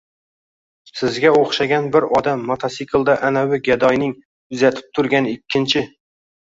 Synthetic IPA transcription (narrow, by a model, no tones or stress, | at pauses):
sɪzɡʲɛoχʃɑɡʲɛnbɪɾɒd̪æmːɑt̪ʰɑsikʲʰɨlˠd̪ɑʔænæwɪɡʲɛd̪ɒjnɪŋ | ʊzæt̪ʰɪ̥p̚t̪ʰʊɾɡʲɛnɪkʲʰːɪnt͡ʃʰɪ